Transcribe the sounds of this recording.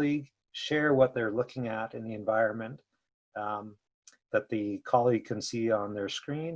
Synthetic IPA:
iɡ | ʃɛɹwʌt̪̚ðə˞lʊkʰɪ̃ŋɨɾɨ̃nðiɨ̃ɱvaɪɹɨ̃nmɨ̃n | ðɨt̪̚ðɨkʰɑlˠiɡ̚kʰɨ̃nsiə̃nðə˞skɹĩn

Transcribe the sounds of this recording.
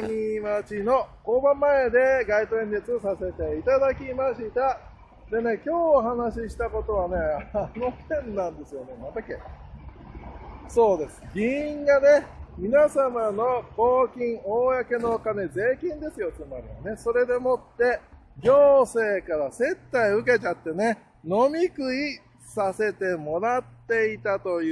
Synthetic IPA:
ɲimat͡ɕino̞ko̞ːbãmːae̞d̪e̞ɡait̪oẽnd̪et͡sɨsase̞t̪e̞it̪ad̪akʲimaɕit̪a | d̪e̞ne̞kʲo̞ːɦanaɕiɕi̥t̪ako̞t̪o̞βane̞aano̞hẽ̞nːãnd̪e̞sɨjo̞ne̞mat̪akḛ | so̞ːd̪e̞sɨ̥ɡʲĩŋɡane̞mʲinasamano̞ko̞ːkʲĩɰ̃oːjake̞no̞ːkane̞ze̞ːkʲĩnd̪e̞sɨjo̞t͡sɨmaɾʲiβa̰ne̞so̞ɾe̞d̪e̞mo̞t̪ːe̞ | ɡʲo̞ːse̞ːkaɾase̞t̪ːaiɯ̟k̬e̞t͡ɕat̪ːe̞ne̞ | no̞mʲikɯ̟i | sase̞t̪e̞mo̞ɾat̪ːe̞it̪at̪o̞j

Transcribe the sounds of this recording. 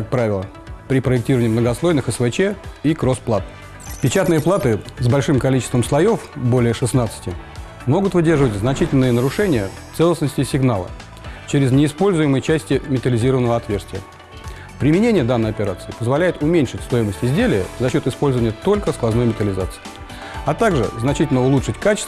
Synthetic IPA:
kak̚pɾavʲɪlˠə | pɾʲɪpɾəɪk̚tʲiɾəvənɪmnəɡɐslˠo̞jnɨxɛsvɛt͡ɕeikɾo̞splˠat̪̚ | pʲɪt͡ɕat̪nɨjəplˠat̪ɨzbɐlʲʂɨmkɐlʲit͡ɕɪst̪vəmslˠɐjo̞fbo̞lʲɪjəʂɨsnat̪sɨ̥tʲɪ | mo̞ɡʊt̪vɨdʲerʐəvətʲznɐt͡ɕitʲɪlʲnɨjənəɾʊʂɛnʲɪjə | t̪sɛlˠəsnəsʲtʲɪsʲɪɡnalˠə̰ | t͡ɕeɾʲɪznʲɪːspo̞lʲzʊjɪməjt͡ɕæsʲtʲɪmʲɪt̪əlʲɪzʲiɾəvənːəvəɐt̪vʲe̞rst̪vʲɪjə | pɾʲɪmʲɪnʲenʲɪjəd̪anːəjɐpʲɪɾat̪sɨɪpəzvɐlʲæjɪt̪ʊmʲenʲʂɨtʲst̪o̞jɪməsʲtʲɪzʲdʲelʲɪjə̰zɐɕːo̞t̪ɪspo̞lʲzəvənʲjət̪o̞lʲkəsklˠɐzno̞jmʲɪt̪əlʲɪzat̪sɨ̥ɪ | ɐt̪aɡʐɨ̰znɐt͡ɕitʲɪlʲnəʊlˠutʂɨtʲkat͡ɕɪ̥st̪

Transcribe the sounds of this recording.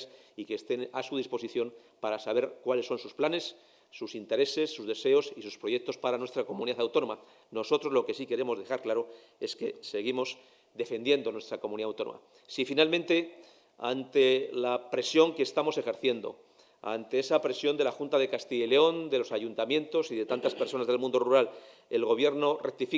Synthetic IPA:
sikest̪e̞nasuð̞ispo̞siθjo̞n | paɾasaβ̞e̞ɾkwalesːo̞nsusplane̞sː | usint̪e̞ɾe̞se̞sːuzðe̞se̞o̞sisuspɾo̞je̞k̚t̪o̞spaɾanwe̞st̪ɾako̞muniðaθawt̪o̞no̞ma | no̞so̞t̪ɾo̞zlo̞ke̞sike̞ɾemo̞zðe̞xaɾklaɾo̞ | e̞ske̞seɣ̞imo̞s | d̪e̞fe̞nd̪je̞nd̪o̞nwe̞st̪ɾakomuniðawt̪o̞no̰ma̰ | sifinalmẽnt̪e̞ | a̰nt̪e̞lapɾe̞sjo̞ŋkeːst̪amo̞se̞xe̞ɾθje̞nd̪o̞̰ | a̰nt̪e̞e̞sapɾe̞sjo̞nd̪e̞laxunt̪aðe̞kast̪iʝeleo̞nd̪e̞lo̞saʝunt̪amjẽ̞nt̪o̞siðe̞t̪ant̪aspe̞ɾso̞nazðe̞lmũnd̪oruɾal | e̞lɣo̞βje̞ɾno̞rek̚t̪ifi

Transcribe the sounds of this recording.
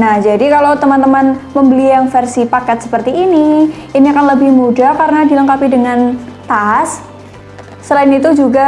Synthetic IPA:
nahd͡ʒadikalowt̪əmant̪əmanməmbəlijaŋfɛrsipakɛt̪̚sə̥pərt̪iiniiniakanləbɪhmudakaɾənadiləŋkapidəŋant̪asː | əlaɪnit̪ud͡ʒuɡa

